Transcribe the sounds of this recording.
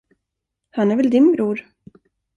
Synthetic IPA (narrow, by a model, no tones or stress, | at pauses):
hanæɾvɛld̪ɪnbɾuːɾ